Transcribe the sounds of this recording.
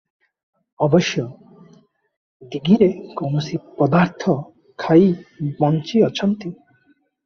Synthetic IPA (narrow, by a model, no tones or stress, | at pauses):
ɔbɔʃjɔ | d̪iɡiɾekownosipɔd̪aɾt̪ʰɔ | kʰajbɔnt͡ʃiɔt͡ʃʰɔnt̪i